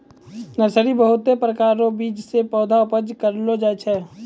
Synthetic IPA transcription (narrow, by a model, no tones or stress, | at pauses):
nəɾsəɾibəɦʊt̪ːepɾəkaːɾõbiːt͡ʃsepɔːd̪ʱaʊpəd͡ʒkəɾlod͡ʒat͡ʃʰɛː